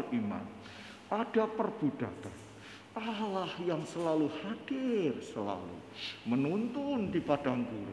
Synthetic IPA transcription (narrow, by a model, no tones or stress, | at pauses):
ima̰n | ad̥apərb̥ud̥a̰t̪an | ʔalahjaŋsəlaluhad̥ɪrsəla̰lṵmənunt̪ʊndipad̥aŋkuɾa̰